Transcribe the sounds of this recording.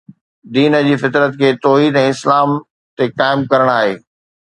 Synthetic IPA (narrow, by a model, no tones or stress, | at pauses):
d̪iːnəd͡ʑiːfɪt̪ɾət̪̚kʰeːt̪ɔːɦiːd̪ɛ̃ːɪslaːm | t̪ekaːɪmkɐɾəɽ̃aːɦeː